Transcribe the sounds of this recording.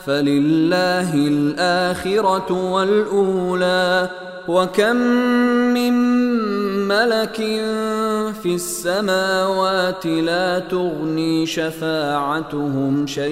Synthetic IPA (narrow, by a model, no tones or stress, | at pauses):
falɪlːaːɦɪlʔaːxɪɾɑwalʔuːlaː | wakamː | ɪmː | alakɪnfiasːamaːwaːt̪ɪlaːt̪ʊɣniːʃafaːʕat̪ʊɦʊmʃaj